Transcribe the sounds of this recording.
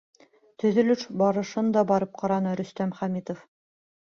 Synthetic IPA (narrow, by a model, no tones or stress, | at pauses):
t̪ɵ̆ðɵ̆lɵʃbɑɾɤ̆ʃɤnd̪ɑbɑɾɤp̚qɑɾɑnɤɾɵ̆st̪æmχæmit̪of